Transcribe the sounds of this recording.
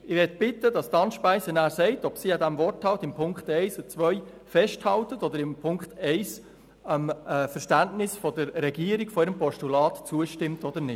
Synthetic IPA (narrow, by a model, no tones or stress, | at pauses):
ɪʋɛtbɪtəd̥ɑst̪ɑnʃpæɪsənæːɾsɛɪtɔpsiɑd̪æmvɔrthɑltɪmpʰʊŋkχtɛɪsət͡sʋœʏ | fɛʃthɑltətɔd̪əɾɪmpʰʊŋkχtʰɛɪs | əmfəɾʃtæntnɪsfɔdəɾːɛɡiəɾiɡ̥fɔɪːɾəmpɔʃtulɑːtt͡suəʃtɪmtɔd̪əɾnɪ